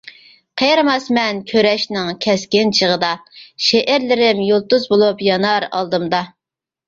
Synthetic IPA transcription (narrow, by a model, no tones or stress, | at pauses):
qʰejɾmɑsmɛnkʲʰøɾɛʃnɪŋkʲʰɛskʲɪnt͡ʃʰəʁəd̪ɑʃeʔæɾlɪɾɪmjolˠt̪uzbolˠupjɑnɑɾɑ̰lˠd̪ɨmd̪ɑ